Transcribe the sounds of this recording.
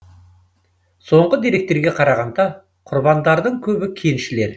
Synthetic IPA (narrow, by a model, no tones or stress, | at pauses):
so̞ɴʁəd̪e̞ɾe̞k̚t̪e̞ɾɡʲe̞qʰɑɾɑʁɑnd̪ɑ | qʰʊɾbɑnd̪ɑɾd̪əɴkʲʰɵbɪkʲʰe̞nʃɪle̞ɾ